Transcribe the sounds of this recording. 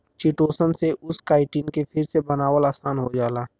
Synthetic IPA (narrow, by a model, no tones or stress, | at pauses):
t͡ʃiʈoːsənseʔʊskaːɪʈiːnkepʰɪɾsebɐnaːwəlaːsaːnɦod͡ʒaːlaː